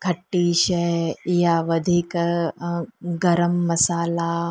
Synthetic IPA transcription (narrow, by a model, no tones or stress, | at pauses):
kʰɐʈːiːɕejaʋəd̪ʱiːk | ɡɐɾəmːɐsaːla